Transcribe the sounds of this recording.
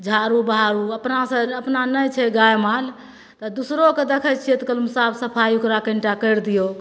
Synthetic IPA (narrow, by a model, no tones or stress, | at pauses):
d͡ʒʱaɾubəɦaɾuəpnasə̃əpnanəjt͡ʃʰɛɡajmal | t̪ɔd̪usɾoked̪ekʰət͡ʃʰijɛt̪kəlumsabsəpʰajiukɾakə̃ɳʈakəjɾd̪ijo